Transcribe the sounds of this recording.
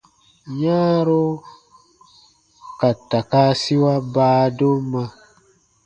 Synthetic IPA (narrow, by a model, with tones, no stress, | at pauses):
ɲãː˦ɾo˦ | ka˨ta˨ka˦si˦wa˦baː˦do˦mã˧